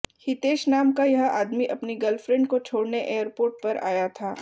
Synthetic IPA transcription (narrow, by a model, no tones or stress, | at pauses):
hɪt̪eːʃnaːmkajɐɦa̰ːd̪miʔɐpniɡɐlfɾɛ̃ɳɖ̚kot͡ʃʰoːɽneʔeːəɾpoːɾʈ̚pɐɾa̰ːjat̪ʰaː